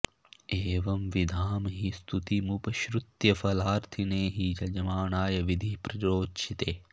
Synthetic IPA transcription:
eːʋɐmʋid̪ʱaːmɐɦist̪ʰut̪imupɐʃɾut̪jɐfɐlaːɾt̪ʰineːɦid͡ʒɐd͡ʒɐmaːnaːjɐʋid̪ʱipɾɐd͡ʒoːtʃʰit̪eː

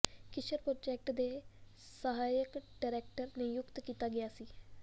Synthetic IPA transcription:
kɪʃəɾpɾoːd͡ʒɛːk̚ʈd̪eː | səɦaːjəkɖaːɾɛːk̚ʈəɾneːjʊkt̪kiːt̪aːɡɪjaːsiː

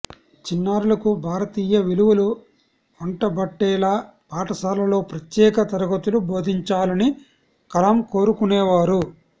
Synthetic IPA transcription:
t͡ʃinːaːɾulɐkubʱaːɾɐt̪iːjɐʋiluʋulu | ɔɳʈɐbɐʈːɛːlaː | paːʈɐsaːlɐlo̞ːpɾɐt̪jɛːkɐt̪ɐɾɐɡɐt̪ulubo̞ːd̪ʱiɲt͡ʃaːlɐni | kɐlɐmko̞ːɾukunɛːʋaːɾu

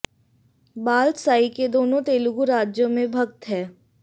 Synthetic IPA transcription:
baːlt̪saːiked̪oːnõt̪eːlʊɡuɾaːd͡ʒjõmẽbʱɐk̚t̪ɦɛː

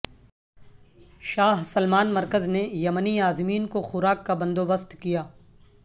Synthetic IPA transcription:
ʃaːɦsɐlmaːnmɐɾkəznejɐməniaːzmiːnkoxʊɾaːkːabɐ̃nd̪oːbəst̪kijaː

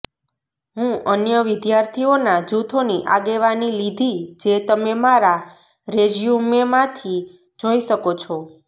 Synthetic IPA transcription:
ɦũənjəʋɪd̪jaɾt̪ʰionad͡ʒut̪ʰoniʔa̰ɡeʋanilid̪ʱid͡ʒet̪əmemaɾa | ɾed͡ʒjumemãt̪ʰi | d͡ʒoiʃəkot͡ʃʰo

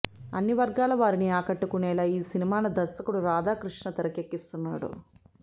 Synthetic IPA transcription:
ɐ̰nːiʋɐɾɡaːlɐʋaːɾiniaːkɐʈːukunɛːlaːiːsinimaːlɐd̪ɐsɐkuɽuɾaːd̪aːkɾuʂɳɐt̪ɐɾɐkekːist̪unːa̰ːɽṵ

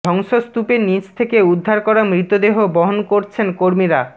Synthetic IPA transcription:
ɔŋʃost̪upenit͡ɕt̪ʰekeud̪ʱːaɾkɔɾamɾit̪ːod̪eɦobɔɦonkoɾt͡ɕʰenkoɾmiɾa

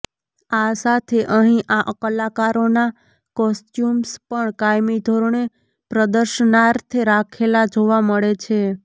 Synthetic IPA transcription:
asat̪ʰeʔəɦĩʔaʔəkəlːakaɾona | kɔsʈjumspəɳkajmid̪ʱoɾoɳe | pɾəd̪əɾʃənaɾt̪ʰɾakʰelad͡ʒoʋaməɭet͡ʃʰe

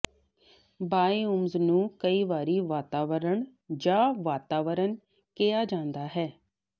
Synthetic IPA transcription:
baːiʊmznũːkəiːʋaːɾiːʋaːt̪aːʋəɾəɳ | d͡ʒãːʋaːt̪aːʋəɾəɳ | kɪjaːd͡ʒãːnd̪aːɦɛː

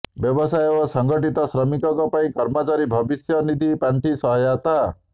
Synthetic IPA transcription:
bjɔbɔsajebɔsɔŋɡɔʈit̪ɔsɾɔmikɔkɔpaĩkɔɾmɔt͡ʃaɾibʱɔbisjɔnid̪ʱipaɳʈisɔɦɔjat̪a

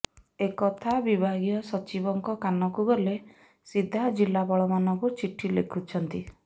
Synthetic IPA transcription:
ekɔt̪ʰabibʱaɡijɔsɔt͡ʃibɔŋkɔkanɔkuɡɔle | sid̪ʱad͡ʒilabɔɭɔmanɔŋkut͡ʃiʈʰilḛkʰut͡ʃʰɔnt̪i

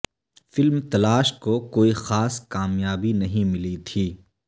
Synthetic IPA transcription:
fɪlmt̪ɐlaːʃkokoːixaːskaːmjaːbinɐɦĩmɪlit̪ʰiː

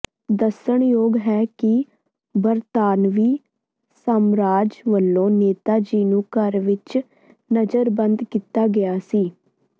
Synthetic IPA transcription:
d̪əsəɳjoːɡɦɛːkɪ | bəɾt̪aːnʋiː | səmɾaːd͡ʒʋəlːõːneːt̪aːd͡ʒiːnũːkəɾʋɪt͡ʃ | nəd͡ʒəɾbə̃nd̪kit̪aːɡɪjaːsiː

